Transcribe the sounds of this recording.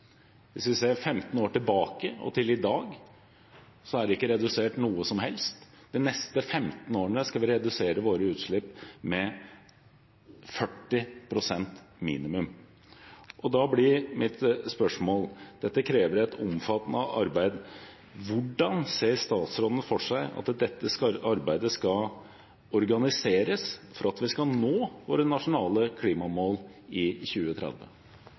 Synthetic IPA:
ʋɪsʋɪseːɾfɛmt̪n̩oːʈɪlbɑːkəɔ̰t̪ʰɪlɪd̪ɑːɡ | sɔæɖɪkːəɾɛd̪ʉseːʈnuːəsɔmɦɛlst̪ | d̪ɛnɛst̪əfɛmt̪n̩oːəɳəskɑlʋɪɾɛd̪ʉseːɾəʋoːɾəʉːt̪ʂɭɪpːmɛ | fœʈːɪpʰɾʊsɛnt̪miːnɪmʉm | ʔɔd̪ɑblɪɾmɪt̪spœʂmoːld̪̥ɛt̪ːəkʰɾeːʋəɾɛt̪ʰʊmfɑt̪nəʔɑ̰ɾbæɪd̪ | ʋʊɖɑnseːəɾʂt̪ɑːt̪sɾɔd̪ənəfɔʂæɪɑ̰t̪d̪ɛt̪ːəsɑɾbæɪd̪əskɑ | ɔɾɡɑnɪseːɾəsfɔɾɑt̪ʋɪskɑnoːʋoːɾənɑʂʊnɑːləkʰliːmɑmoːlɪçʉːət̪ʰɾɛ̰d̪ʋə̰

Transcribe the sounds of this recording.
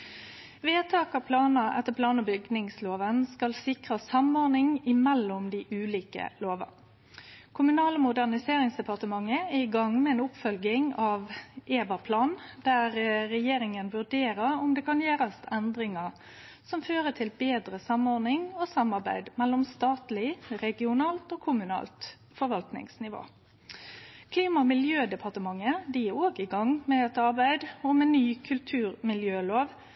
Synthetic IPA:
ʋeːt̪ʰɑːkɑpʰlɑːnəʔɛt̪ːəpʰlɑːnəbʏɡnɪŋsloːʋənskɑlsɪkʁɑsɑmɔɾnɪŋɪmɛlːɔmd̪ɪʔʉːliːkə̰loːʋɑ̰ | kʰʊmʉnɑːləmʊd̪æʁnɪseːʁɪŋsd̪ɛpʰɑʁt̪əmɑŋːəæɪɡɑŋmɛɛːnʊpfœlɡɪŋɑːʋʔeːbɑpʰlɑːnd̪æʁːɛjeːɾɪŋənʋʉɖ̪eːɾəɾɔmd̪ɛkʰɑnjeːɾɑsɛnd̪ɾɪŋɑɾ | sɔmføːɾət̪ʰɪlbeːd̪ɾəsɑmɔdnɪŋoːsɑmːɑɾbæ̰ɪd̪mɛlːɔmst̪ɑːt̪lɪʁɛɡɪʊnɑːlt̪oːkʰʊmʉnɑ̰ːlt̪ | fɔɾʋɑlt̪nɪ̰ŋsnɪʋo̰ː | kʰliːmɑmɪljøːd̪ɛpʰɑʁt̪əmɑŋːəd̪ɪjioːɡɪɡɑŋmɛɛt̪ɑɾbæɪd̪ɔmɛnːyːkʰʉlt̪ʰʉːʁmɪljøːloːʋ

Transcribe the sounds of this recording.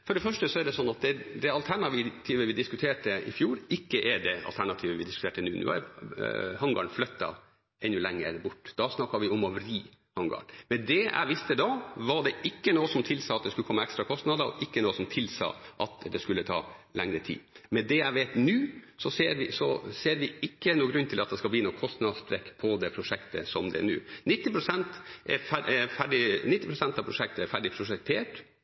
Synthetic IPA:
fɔɖɛfœʂʈəsɔæɖ̪ɛsɔnːɑt̪̚d̪ɛd̪ɛɑlt̪ʰæɳɑʋɪt̪ʰiːʋəʋɪd̪ɪskʉt̪ʰeːʈəɪ̰fjuːɾɪkːəʔɛɖɛɑ̰lt̪æɳɑt̪ʰiːʋəʋɪd̪ɪskʉt̪eːʈənʉ̰ːnʉ̰ːæ̰ɾ | hɑŋɡɑ̰ɳflœt̪ːɑ̰ | ɛnːʉlɛŋːə̰ɾbʊʈːd̪̥ɑsnɑkːɑʋɪʊmɔʋɾiː | hɑŋɡɑ̰ːɳmɛd̪ɛæ̰ɪʋɪst̪əd̪ɑʋɑɖɛʔɪkːənoːəsɔmt̪ʰɪlsɑːɑt̪̚d̪ɛskʉləkʰɔmːəɛkst̪ɾɑkʰɔst̪nɑd̪əɔ̰ʔɪkːənoːəsɔmt̪ʰɪlsɑ̰ːʔɑt̪d̪ɛskʉlːət̪ʰɑ̰ːlɛŋɾət̪ʰḭːmɛd̪ɛæɪʋeːt̪nʉːsɔseːɾʋɪsɔseːɾʋɪɪkːənuːəɡɾʉnːt̪ʰɪlɑt̪̚d̪ɛskɑlbliːnuːkʰɔst̪nɑd̪spɾɛkːpʰɔd̪ɛpʰɾʊʂɛkt̪ə̰sɔmd̪ɛ̰ɛ̰nʉ̰ːnɪt̪ːɪpʰɾʊsɛnt̪ɛ̰fæɛfæɖɪnɪt̪ːɪpɾʊsɛnt̪ɑʋpʰɾʊʂɛk̚t̪əɛɾfæɖɪpʰɾʊʂɛk̚t̪ʰeːʈ

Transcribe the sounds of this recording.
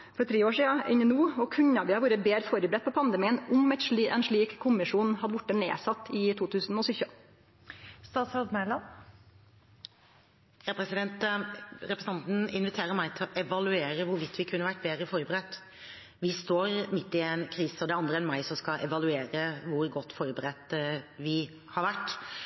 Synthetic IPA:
fɔɾt̪ʰɾeːoːʂiːɑɪ̰ɲənuːɔkʰʉɲːɑʋɪhɑɾʋʊːɾəbeːɾəfɔɾəbɾɛt̪̚pʰɔpʰɑnd̪əmiːənʊmɛɪt̪ʂɭiʔɛ̰nʂɭiːkkːʊmɪʂuːnhɑd̪əʋʊʈːənḛːsɑt̪ːɪt̪ʰuːt̪ʰʉːsn̩ɔsʏçə | st̪ɑːt̪sɾɑd̪mælɑn | jɑpʰɾɛsɪd̪ɛnt̪ɾɛpɾəsɑnt̪n̩ɪnʋɪt̪ʰeːɾəɾmæɪt̪ʰɪlʔɛʋɑlʉeːɾəʋʊɾʋɪt̪ːʋɪkʰʉnːəʋæʈːbeːd̪ɾəfɔɾbəɾɛt̪ː | ʋɪst̪oːɾmɪt̪ːɪɛnkʰɾiːsəɔd̪ɛɑnd̪ɾəɛnmɑɪsɔmskɑʔɛʋɑlʉeːɾəʋʊɾɡɔt̪ːfɔɾbəɾɛt̪ʋɪ | hɑɾʋæʈː

